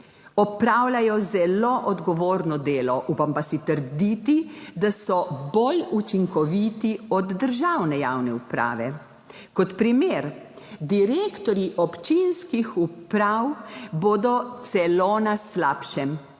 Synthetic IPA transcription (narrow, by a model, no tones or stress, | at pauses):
ɔpɾaːwlajɔzɛloʔɔd̪ɡɔʋoːɾnɔd̪eːlɔʔupampasit̪əɾd̪it̪id̪asɔbolut͡ʃiŋkɔʋit̪iɔd̪ːəɾʒawnɛja̰wnɛupɾa̰ːʋɛ | kɔt̪pɾimeːɾ | d̪iɾeːkt̪ɔɾjiʔɔpt͡ʃinskixupɾawboːd̪ɔt̪sɛlonaslaːpʃɛm